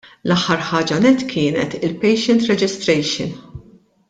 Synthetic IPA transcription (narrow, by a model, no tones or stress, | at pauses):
lɐħːɐɾħɐːd͡ʒɐnɛt̪ːkʰɪːnɛ̰t̪ɪlpɛjʃɛnt̪ɾɛd͡ʒɪst̪ɾɛjʃɪ̰n